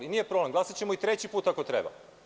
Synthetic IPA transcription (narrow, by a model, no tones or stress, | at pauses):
liniːje̞pɾoble̞mɡlˠasat͡ɕemoit̪ɾe̞t͡ɕipuːt̪ako̞t̪ɾḛba̰